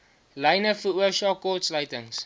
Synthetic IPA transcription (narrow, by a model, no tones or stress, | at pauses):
lɐjnəfəuəʃɑːkɔtsləjtəŋs